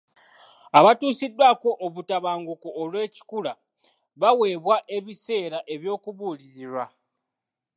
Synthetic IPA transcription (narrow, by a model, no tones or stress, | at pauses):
aβatuːsidːwaːko̞ʔːβutaβaːŋɡukoːlwe̞ːci̥kula | βawe̞ːβwaʔe̞βise̞ːɾaʔe̞βjo̞ːkuβuːliɾiɾwa